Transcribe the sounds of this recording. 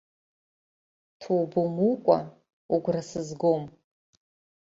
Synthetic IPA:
tʰowbumukʷʼa̰ | uɡʷrasɨzɡom

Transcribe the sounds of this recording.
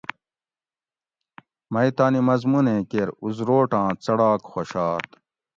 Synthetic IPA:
mɐit̪aːnimɐzmunẽːkeɾuzɾoːʈãːt͡sɐɽaːkxoɕaːt̪

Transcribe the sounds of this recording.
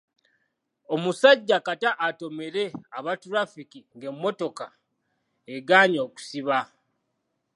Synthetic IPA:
o̞musaɟːakataʔːto̞me̞ɾe̞aβatuɾafikiŋɡe̞mːo̞to̞ka | eɡaːɲoːku̥siβa

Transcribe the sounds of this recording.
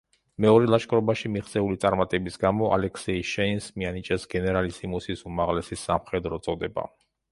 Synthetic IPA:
mɛɔɾɛlˠaʃkʼɾɔbaʃimiχt̪sʼɛulit̪sʼaɾmat̪ʼɛbisɡamɔʔa̰lɛkʰsɛiʃɛinsmianit͡ʃʼɛsɡɛnɛɾalisimusisumaʁlɛsisːamχɛd̪ɾɔt̪sʼɔd̪ɛba̰

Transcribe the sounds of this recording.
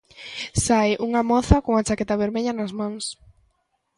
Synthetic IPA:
sajʔuŋɐmɔθɐkoŋat͡ʃakɛt̪aβeɾmeʎɐnɐzmãŋs

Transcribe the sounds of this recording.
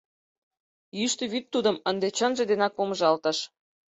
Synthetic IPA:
jyʃt̪eβyt̪ːud̪ə̆mənd̪et͡ɕənʒĕd̪enɑk̚poməʒɑlt̪ə̆ʃ

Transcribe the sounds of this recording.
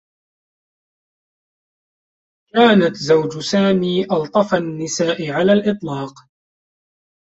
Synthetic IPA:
kaːnat̪zawd͡ʒʊsaːmiːʔɑlt̪ˤɑfanːɪsaːʔɪʕalaːlʔɨt̪ˤlɑːq

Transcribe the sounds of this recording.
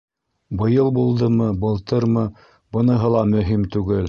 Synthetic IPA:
bɤ̆jɤlˠbulˠd̪ɤmɤbɤ̆lˠt̪ɤɾmɤ | bɤ̆nɤ̆ɦɤlˠɑmɵ̆ɦimt̪ʉɡɘl

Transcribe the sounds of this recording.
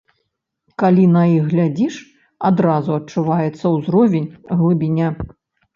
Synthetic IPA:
kalʲinɐjiɣɣlʲad͡zʲiʂ | ad̪ɾazuɐt͡ʂuvajɛt̪sːɐwzɾɔvʲenʲɣlˠɨbʲinʲa

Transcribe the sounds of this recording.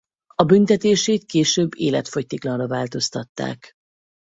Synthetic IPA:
ɒbynt̪ɛt̪eːʃeːt̪̚keːʃøːbːeːlɛt̪fo̞ct̪iklɒnrɒvaːlt̪o̞st̪ɒt̪ːa̰ːk

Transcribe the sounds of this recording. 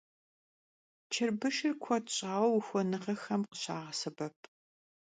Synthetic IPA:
t͡ʃʰɪrbɨʃɪrkʷʰɔtɕʼaːwɐwxʷɔnɨʁɐxɐmqə̥ɕaːʁɐsɐbɐp̚ʰ

